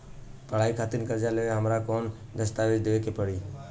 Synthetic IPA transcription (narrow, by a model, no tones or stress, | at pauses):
pəɽ̤aːikʰaːt̪ɪnkəɾd͡ʒaleɦəmɾaːkoːn | d̪əst̪aːɾid̪eeːkepəɽ̤iː